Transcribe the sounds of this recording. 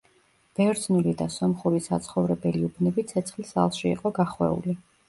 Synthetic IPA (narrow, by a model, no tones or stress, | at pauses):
b̥ɛvɾd̪znulid̪asɔmχuɾisat̪sʰχɔvɾɛbɛliubnɛbit̪sʰɛt̪sʰχlisa̰lˠʃiḭqʼɔɡaχwɛ̰ṵli